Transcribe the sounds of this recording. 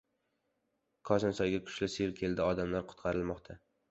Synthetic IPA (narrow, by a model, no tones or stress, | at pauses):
kʰɒsɑnsɒjɡʲakʰʊ̥ʃlɪseɾkʲʰe̞ld̪ɪɒd̪amlaɾqʰʊ̥t̪qʰɑɾɪlmɒqt̪ʰa